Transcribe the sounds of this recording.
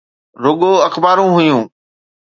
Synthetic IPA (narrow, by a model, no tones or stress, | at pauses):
ɾʊɠoːəxbaːɾũɦʊjũː